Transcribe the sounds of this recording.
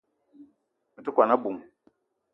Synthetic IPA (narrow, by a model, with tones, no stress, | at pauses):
mi˨tu˦kʷa˨na˦bu˨m